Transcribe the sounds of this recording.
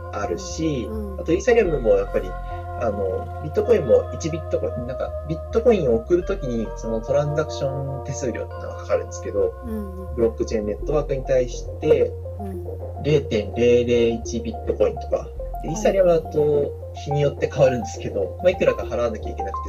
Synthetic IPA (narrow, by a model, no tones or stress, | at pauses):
aɾɯ̟ɕiat̪o̞iːsaɾʲiamɯmo̞japːaɾʲi | ano̞̰ | bʲit̪ːoko̞ĩmːo̞it͡ɕibʲit̪ːo̞ko̞ĩnãŋka̰bʲit̪ːo̞ko̞ĩɰ̃o̞ːkɯ̟ɾɯ̟t̪o̞kʲiɲ̟iso̞no̞t̪o̞ɾãzakɯ̟̥ɕõ̞nt̪e̞sɨːɾʲo̰t̪ːat̪ːt̪ːaɡakḁkaɾɯ̟̃nd̪esɨ̥ke̞d̪o̞ | bɯ̟ɾo̞kːɯ̟t͡ɕẽ̞nːe̞t̪ːo̞βaːkɯ̟ɲ̟it̪aiɕi̥t̪e̞ | ɾe̞ːt̪ẽ̞nɾe̞ːɾe̞ːit͡ɕibʲit̪ːo̞ko̞ḭ̃nt̪o̞̥ka̰ | iːsaɾʲiaβɯːt̪o̞ | çiɲ̟ijo̞t̪ːe̞kaβaɾɯ̟̃nd̪e̞sɨ̥ke̞d̪o̞̰maikɯ̟ɾaɡahaɾaβ̞anakʲa̰ikʲe̞nakɯ̟̥t̪e